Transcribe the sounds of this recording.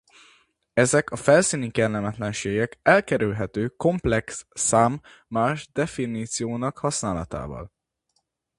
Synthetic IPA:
ɛzɛkʰɒfɛlsiːnikɛrlːɛmɛt̪lɛnʃeːɡɛkɛlkɛɾylɦɛt̪øːko̞mplɛksːaːmː | aːʒd̪ɛfiniːt̪sijoːnɒkhɒsnaːlɒ̰t̪a̰ːvɒ̰l

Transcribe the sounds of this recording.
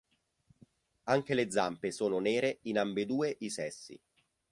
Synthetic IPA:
aŋk̟eled̪zːampesoːnoneːɾeinambed̪uːeʔisɛsːḭ

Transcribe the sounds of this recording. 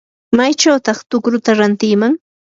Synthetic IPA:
majt͡ʃawt̪ɑχt̪ʊkɾʊt̪aɾant̪ɪjmaŋ

